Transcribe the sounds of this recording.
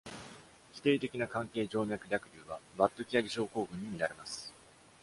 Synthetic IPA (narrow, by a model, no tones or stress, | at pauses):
çʲi̥t̪e̞ːt̪e̞kʲinakãŋke̞ːd͡ʑo̞ːmʲjakɯ̟ɾʲakɯ̟ɾʲɯːβabat̪ːokʲijaɡʲiɕo̞ːko̞ːɡɯ̟̃ɲ̟ːimʲiɾaɾe̞masɨ̥